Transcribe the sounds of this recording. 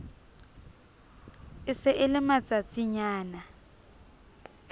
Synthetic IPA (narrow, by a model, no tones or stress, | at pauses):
ɪsɪʔɪlɪmat͡sʼat͡sʼiɲaːna